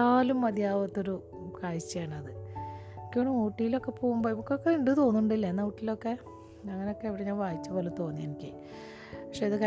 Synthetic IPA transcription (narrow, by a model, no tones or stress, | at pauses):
aːlumːɐd̪ʱjaːʋɐt̪ːo̞ɾu | kaːjit͡ɕːɐjaːɳɨɐðɨ | kʲːoɳɖɨoːʈːijilo̞kːe̞po̞ːɣumboimukːeokːeiɳɖɨt̪o̞ːnːuɳɖilːɐenːɐwuʈːilːo̞kːe̞ | ɐŋːɐneo̞kːe̞eʋiɽeɲaːnʋaːjit͡ɕːɨpo̞ːlet̪o̞ːnːijenikʲːḭ | pɐkʂe̞ɐðɨk